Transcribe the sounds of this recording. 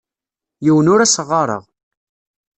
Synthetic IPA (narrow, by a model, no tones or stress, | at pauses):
jiwənʊɾæsəʁːɑɾˤə̰ʁ